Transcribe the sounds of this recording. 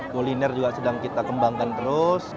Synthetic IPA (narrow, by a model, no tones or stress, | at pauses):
kolinɛrd͡ʒuɡasədaŋkit̪akəmbaŋkant̪əɾʊs